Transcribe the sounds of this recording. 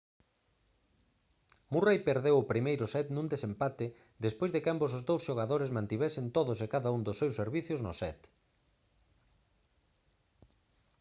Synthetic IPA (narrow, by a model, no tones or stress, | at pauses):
murejpeɾðewʊpɾimejɾʊsɛt̪nũnd̪esempat̪ɪ | d̪espojzðɪkambosʊzðowsʃoɣaðoɾezmãnt̪iβɛsɪnt̪oðʊsekaðaund̪ʊsːewseɾβiθjʊznʊsɛt̪